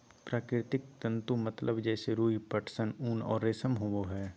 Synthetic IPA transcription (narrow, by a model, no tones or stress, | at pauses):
pɾaːkɾɪɾt̪ɪk̚t̪ə̃nt̪umɐt̪lʔəbd͡ʒɛːseɾuːipəʈʰsənuːnɔ̰ːɾːeːsəmɦowoɦɛː